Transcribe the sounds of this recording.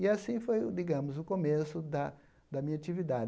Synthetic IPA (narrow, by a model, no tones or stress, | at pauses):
ɪasĩfojd̪iɡɐ̃mʊzʊkomesʊd̪ɐ | d̪ɐmĩɲɐat͡ʃivid̪ad͡ʒ